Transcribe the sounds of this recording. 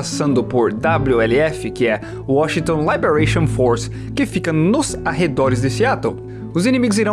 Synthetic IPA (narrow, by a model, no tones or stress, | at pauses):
asɐ̃nd̪ʊpʊɾd̪abluɛlɪɛfɪkɪɛ | ʊɔʃĩŋt̪õlabeɾajʃõfoɾs | kɪfikɐnʊzaɦed̪ɔɾɪzd̪esɪat̪õ | ʊzinimiɡʊziɾɐ̃